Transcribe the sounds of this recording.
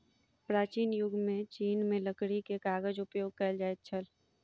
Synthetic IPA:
pɾaːt͡ʃiːnjʊɡmẽt͡ʃiːnmẽləkɽikekaːɡəd͡ʒʊpjoːɡ̚kɐld͡ʒaːet͡ʃʰəl

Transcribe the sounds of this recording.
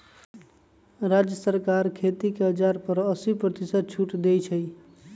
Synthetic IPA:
ɾad͡ʒjəsəɾkaɾkʰet̪ikeɦəd͡ʒaɾpəɾəsipɾət̪isət̪̚t͡ʃʰuʈd̪et͡ʃʰəj

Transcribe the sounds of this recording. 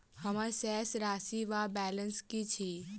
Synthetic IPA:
həmasɛsɾaːsiʋabɛlənskit͡ʃʰi

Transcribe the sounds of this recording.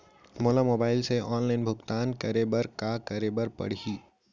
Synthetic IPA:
moːlamoːbaːɪlseʔɔːnlaɪnbʱʊɡt̪aːnkəɾebəɾkakəɾebəɾpə̰ɽ̤iː

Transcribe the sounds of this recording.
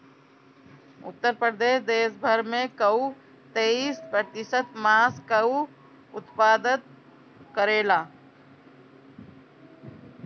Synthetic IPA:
ʊ̰t̪ːəɾpɾəd̪eːʃd̪eːsbʱəɾmẽkəu | t̪eːiːspɾəɾt̪ɪsət̪maːskəu | ʊt̪paːd̪ət̪̚ | kəɾeːlaː

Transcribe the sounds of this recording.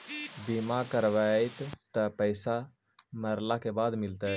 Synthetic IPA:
bimakəɾʋaːit̪t̪əpəɪsa | məɾlakebaːd̪mɪlt̪

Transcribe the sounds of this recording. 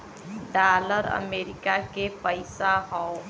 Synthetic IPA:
ɖaːləɾə̰meːɾɪkakepəɪsaɦɔ̃

